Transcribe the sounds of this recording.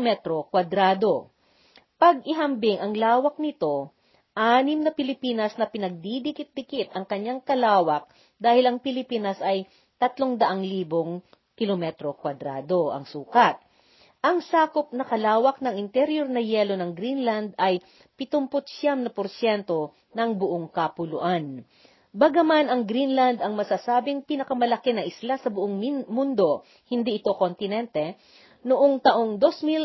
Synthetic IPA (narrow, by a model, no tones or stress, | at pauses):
mɛt̪ɾokwɐd̪ɾaːd̪o̞ | pɐɡ̚ɪɦɐmbɪŋʔɐŋlaːwɐk̚nɪt̪o̞ | ʔaːnɪmnɐpɪlɪpiːnɐsnɐpɪnɐɡ̚d̪id̪ɪkɪt̪̚d̪ɪkɪt̪ɐŋkɐɲːaŋkɐlaːwɐk̚ | d̪aːhɪlɐŋpɪlɪpiːnɐsʔɐj | t̪ɐt̪loŋd̪ɐʔaŋliːboŋ | kɪlomɛt̪ɾo̞kwɐd̪ɾa̰ːd̪o̞ʔɐ̰ŋsuːkɐt̪̚ | ʔɐŋsaːkop̚nɐkɐlaːwɐk̚nɐŋɪnt̪ɛɾjoɾnɐjɛlo̞nɐŋɡɾinland̪ɐj | pɪt̪ompot̪̚ʃjamnɐpoɾsjɛnt̪o̞ | nɐŋbʊʔoŋkɐpʊlʊʔan | bɐɡɐmanɐŋɡɾinland̪ɐŋmɐsasaːbɪŋpinɐkɐmɐlɐkɛnɐʔɪslasɐbʊʔoŋmund̪o̞ | hɪnd̪iʔɪt̪o̞kont̪ɪnɛnt̪ɛ | nʊʔoŋt̪ɐʔoŋd̪o̞smil